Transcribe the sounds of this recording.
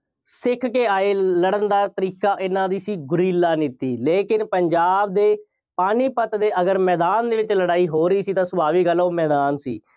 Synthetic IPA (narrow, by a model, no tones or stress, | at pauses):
sɪkʰkeːaːeːləɽənd̪aːt̪əɾiːkaːʔɪnãːd̪iːsiːɡʊɾiːlaːnɪt̪iːleːkɪnpəɲd͡ʒaːbd̪eː | paːniːpət̪d̪eːʔəɡəɾmɛːd̪aːnd̪eːʋɪt͡ʃləɽaːiːɦoːɾəiːsiːt̪ãːsʊbaːʋiːɡəlːoːmɛːd̪aːnsḭː